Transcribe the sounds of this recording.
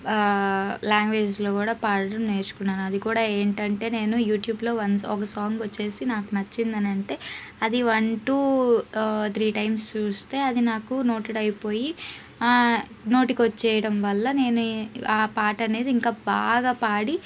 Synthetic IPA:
laːŋɡʋe̞ːd͡ʒlo̞ːkuːɽaːpaːɾɐɽɐmne̞ːɾt͡ʃu̥kunːaːnuɐd̪ikuːɽaːe̞ːɳʈɐɳʈe̞ːne̞ːnujuːʈjuːblo̞ːʋɐnɔkɐsaːŋɡʋɐt͡ʃːe̞ːsinaːkunɐt͡ʃːind̪ɐnɐɳʈe̞ː | ɐd̪iʋɐɳʈuː | t̪ʰɾiːʈɐjmst͡ʃuːst̪e̞ːɐd̪inaːkuno̞ːʈɐɽɐjpo̞ːji | no̞ːʈikiʋɐt͡ʃːɛːjɐɽɐmʋɐlːɐne̞ːnuaːpaːʈɐne̞ːd̪iiŋkaːba̰ːɡaːpaːɽi

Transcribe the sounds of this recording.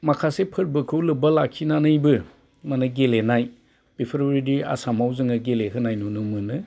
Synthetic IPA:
makʰasepʰɯɾbɯkʰɯwlɯbɐlakʰinanɯjbɯ | manɯɡelenaj | b̥ipʰɾbɾidia̰samawzɯŋɯɡeleɦɯnajnunumɯnɯ

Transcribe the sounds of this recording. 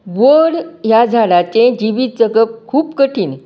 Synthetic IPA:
ʋəɽjad͡zʱaɽat͡ɕẽd͡ʑiʋiːt̪̚d͡zəɡəp̚kʰuːpkəʈʰiːn

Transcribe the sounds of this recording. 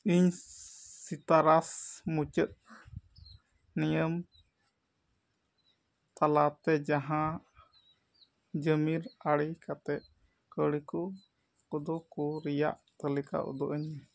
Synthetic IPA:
iɲ | sit̪aɾasmut͡ʃət̪̚ | nijəm | t̪alat̪ɛd͡ʒaɦã | d͡ʒəmiɾaɽikat̪ɛʔ | kəɽikɔ | kɔd̪ɔkɔɾija̰ʔt̪əlika̰ʔɔ̰d̪ɔʔəɲ

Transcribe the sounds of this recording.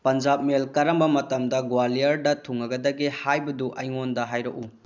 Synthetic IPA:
pɐnd͡ʒap̚melkɐɾɐmbɐmɐtɐmdɐɡwalijɐɾdɐtʰuŋɐɡɐdɐɡihajbɐduʔɐjŋondɐɦajɾɐku

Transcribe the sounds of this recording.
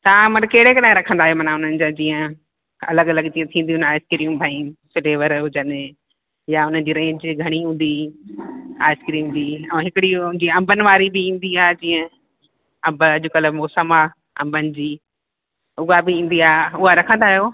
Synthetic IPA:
t̪ãmɐʈkeɦɽekɐɗaẽɾɐkʰə̃nd̪aːɦijomɐnaʊn̤ənɪ̆d͡ʑad͡ʑĩːə̃ | ɐ̰ləɡɐlɐɡt̪iẽt̪ʰĩːnd̪iʊ̃naːɪskɪɾijũbʱaĩsɪleːʋəɾɦʊd͡ʑənɪ | jaʊn̤ən̆d͡ʑiːɾẽːɲd͡ʑɡʱɐɽ̃iɦũːn̆d̪i | a̰ːɪskɾiːũmd͡ʑiːɛ̃ːɦɪkɪɽiʊ̃nd͡ʑiɐ̃mbʱənɪ̆ʋaːɾibɪĩːn̆d̪iaːɦd͡ʑĩːə̃ | ɐ̃mbəɐʄokɐləbmoːsəma | ɐ̰̃mbʱənɪ̆d͡ʑiː | ʊɦabɪĩːn̆d̪iaːɦʊɦaɾɐkʰə̃nd̪aːɦijoː

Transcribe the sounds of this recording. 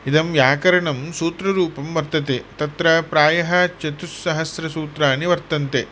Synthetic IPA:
id̪ɐmjaːkɐɾɐɳɐmsuːt̪ɾɐɾuːpɐmʋɐɾt̪ɐt̪et̪ɐt̪ɾɐpɾaːjɐɦɐt͡ʃɐt̪usːɐɦɐsɾɐsuːt̪ɾaːniʋɐɾt̪ɐnt̪e

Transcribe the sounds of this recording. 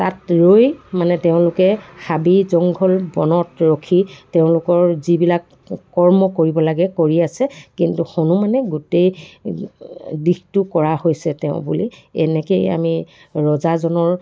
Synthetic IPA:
tatɹojmanɛteʊ̃lʊkɛxabizɔŋɡʱɔlbɔnɔtɹokʰiteʊ̃lʊkɔɹzibilakː | ɔɹmɔkoɹibɔlaɡɛkoɹiasɛkintuxonumanɛɡutej | dixtʊkɔɹahojsɛteʊ̃bṵlḭɛ̰nɛkeja̰mi | ɹɔzazɔnɔɹ

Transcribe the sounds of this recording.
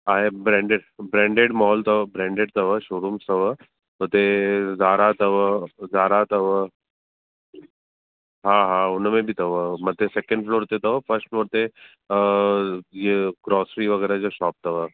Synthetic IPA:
aːɦebɾɛ̃ːɳɖeɖbɾɛ̃ːɳɖeɖmɔɦɔlt̪ɐʋəbɾɛ̃ːɳɖeɖt̪ɐʋəʃoːɾumst̪ɐʋə | ɦot̪ezaːɾat̪ɐʋəzaːɾat̪ɐʋə | ɦãɦãːʊnmẽbʱit̪ɐʋəmɐt̪esekə̃ɳɖfloːɾt̪et̪ɐʋəfəɾsʈfloːɾt̪e | jeɡɾɔːsɾiʋɐɡɛːɾad͡ʒoʃɔːp̚t̪ɐʋə

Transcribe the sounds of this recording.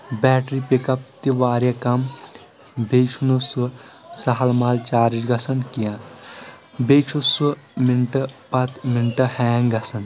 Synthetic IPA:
bɛːʈɾipikɐp̚t̪iʋaːɾjɐkɐm | bet͡ʃʰunususɐɦɐlmaːlt͡ʃaːɾid͡ʒɡɐsɐnkijãn | beːt͡ʃʰusuminʈɐpɐt̪minʈɐhɛːŋɡɐsɐn

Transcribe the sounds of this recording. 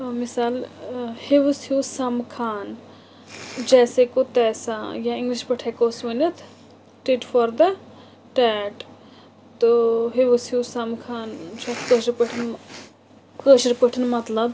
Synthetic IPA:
misaːlheʋɨsjusɐmkʰaːn | d͡ʒɛːsekot̪ɛːsajãiŋɡliʃpəʈʰekoːsʋənɐt̪ʰ | ʈeʈfɔɾd̪ɐ | ʈɛːʈ | t̪oɦeʋsjusɐmkʰaːnt͡ʃʰot̪kəʃɾpəʈʰin | kəʃɾpəʈʰənmɐt̪lɐb

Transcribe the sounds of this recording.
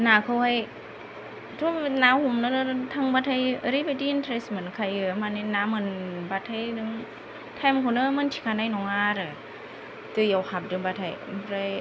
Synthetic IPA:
naːkʰɯwhaj | tʰunaːwhumnɯnɯt̪ʰaŋbatʰajɾibajtintʰɾesmɯnkʰajɯmaninamɯnbat̪ʰːajdɯŋ | t̪ʰɛmkʰonɯmɯntʰi̥kʰanajnɔŋaɾɯ | tɯjawhʰap̚dɯŋbatʰajʰɾaj

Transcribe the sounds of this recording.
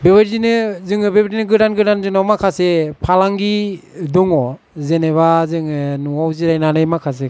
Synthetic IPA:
beβaɾdinɯzɯŋɯbebadinɯɡɯɾanɡɯɾanzɯŋnawmakʰasepʰalaŋɡiduŋɔ | zeneβazɯŋɯnuwawziɾajnanɯjmakʰas̬e

